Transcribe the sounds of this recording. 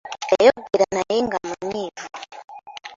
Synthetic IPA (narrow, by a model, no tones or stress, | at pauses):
jajɔɡiɾanajiŋɡamanivu